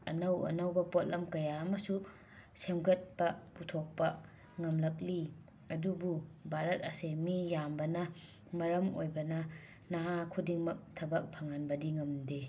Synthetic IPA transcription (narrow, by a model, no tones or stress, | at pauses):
ɐ̰nɐwɐ̰nɐwbɐpot̚lɐmkɐjaɐmɐsu | semɡɐt̚pɐputʰok̚pɐ | ŋɐmlɐk̚li | ɐdububʱaɾɐt̚ɐsemijambɐnɐ | mɐɾɐmo̰jbɐnɐ | naɦakʰudiŋmɐk̚tʰɐbɐk̚pʰɐŋanbɐdiŋɐmde